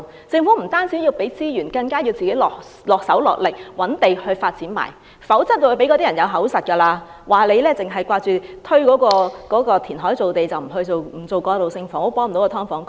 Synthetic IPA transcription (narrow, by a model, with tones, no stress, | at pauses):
t͡sɪ˧ŋfu˨˥m̩˨˩t̪aː˥nt͡siː˨˥jiː˧wpe˨˥jt͡siː˥jyː˨˩nkɐ˧ŋkaː˥ji˧wt͡siː˨ke˨˥jlɔː˨k̚ | lɔː˨k̚sɐ˨˥wlɔ̰˨k̚lɪ˨k̚wɐ˨˥nt̪e˨jhɵ˧ɥfaː˧t̚t͡siː˨˥nma̰ː˨˩j | fɐ˨˥wt͡sɐ˥t̪̚ːo˧wo˧˩pe˨˥jkɔː˧t̪iː˥jɐ˨˩jɐ˨˧wɦɐ˨˥wsɐ˨t̚kɐː˧laː˧ | waː˨le˨˧jlɛː˥t͡sɪ˨ŋɦɐ˨˩jkʷwaː˧t͡ʃyː˨t̪ʰɵ˥ɥkɔː˨˥kɔː˧kɔː˨˥kɔː˧t̪ʰiː˨˩nɦɔː˨˥jt͡so˨wt̪e˨jt͡sɐ˨wm̩˨˩ɦɵ˧ɥt͡so˨wm̩˨˩t͡so˨wkɔː˧lo˨wsɪ˧ŋfɔː˨˥ŋɔ˨˧pwɔː˨˥ŋm̩˨˩o˨˥kːt̪ʰɔː˥ŋfɔː˨˥ŋ